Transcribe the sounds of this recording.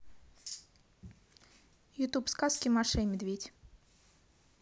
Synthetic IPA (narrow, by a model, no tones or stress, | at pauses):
jʊt̪upskaskʲɪmaʂɛjmʲɪd̪vʲetʲ